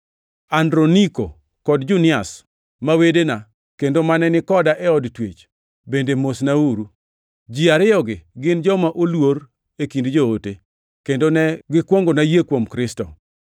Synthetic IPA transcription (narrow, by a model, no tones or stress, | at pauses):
andɾoniko̰ | kɔdd͡ʒunɪas | mawedena | kendomanɛnɪkɔdaʔɛɔdtwet͡ʃ | bendemosnauɾu | d͡ʒiaɾɪjɔɡɪɡɪnd͡ʒɔmaʔolwoɾ | ekindd͡ʒoote | kendonɛɡɪkwoŋɡonajekwomkɾɪstɔ